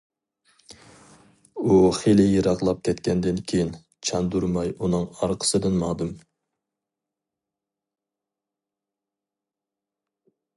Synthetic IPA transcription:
uχelɪjeɾɑʁlˠɑp̚kʲʰɛt̪kʲʰɛnd̪ɪnkʲʰejin | t͡ʃʰɑnd̪uɾmɑjunɨŋɑɾqʰə̥sɨd̪ɨnmɑːd̪ɨm

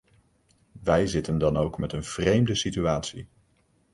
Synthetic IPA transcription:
ʋɛjzɪtəndɑnowkmɛtənv̥rejmdəsityaːtsḭ

